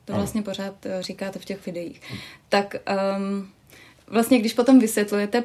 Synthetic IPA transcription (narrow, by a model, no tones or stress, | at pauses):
t̪ovlast̪ɲɛpo̞ɾ̝aːt̪riːkaːt̪ɛfcɛxvɪdɛjḭːxt̪ak | vlast̪ɲɛɡdɪʃpo̞t̪o̞mvɪsjɛt̪lujɛt̪ɛ